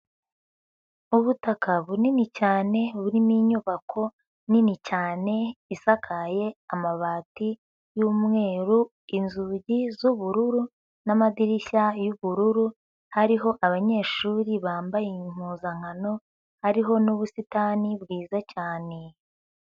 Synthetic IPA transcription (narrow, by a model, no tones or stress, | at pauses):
uβutakaβuninicaːne̞βuɾimiɲuβakʰo̞ | ninicaːne̞isakʰaje̞amaβaːti | juːmŋe̞ːɾu | inzuɟizuβuɾuɾu | namadiɾiçajuβuɾuɾu | haɾiɦo̞ʔaβaɲe̞ːʃuːɾiβaːmbajeim̥uːzaŋano̞ | haɾiɦo̞nuβusitanibɡiːzacaːne̞